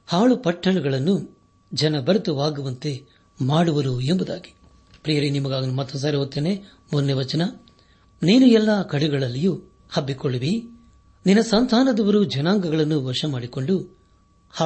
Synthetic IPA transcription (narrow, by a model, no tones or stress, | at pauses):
haːɭupɐʈʰːɐɭuɡɐɭɐnːu | d͡ʒɐnɐbɐɾɐt̪uʋaːɡuʋɐnt̪e̞ | maːɽuʋɐɾuembud̪aːɡi̥ | pɾijɐɾinimɐɡaːɡɐnumɐt̪ːɐms̬aːɾiɦot̪ːeːneː | munnːeʋɐt͡ʃɐnɐ | niːnuɛlːɐːkɐɽuɡɐɭɐlːiju | hɐbːikoɭuʋi | ninːɐsɐnt̪ʰaːnɐd̪ɐʋɐɾud͡ʒɐnaːŋɡɐɡɐɭɐnːuʋɐʂɐmaːɽiko̞ɳɖu | h